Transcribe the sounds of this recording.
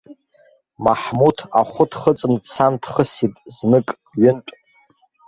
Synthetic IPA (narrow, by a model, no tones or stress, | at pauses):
maħmutʰa̰χʷʊdχət͡sʼɨnt͡sʰandχəsitʼznɨkʼ | ɥʏntʷʼ